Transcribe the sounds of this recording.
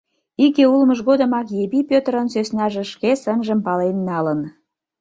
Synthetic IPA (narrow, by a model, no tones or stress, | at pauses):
ikeulməʒɣod̪ə̆mɑkjebipʲøt̪əɾənsøsnɑʒĕʃkesənʒəmpɑlenːɑlən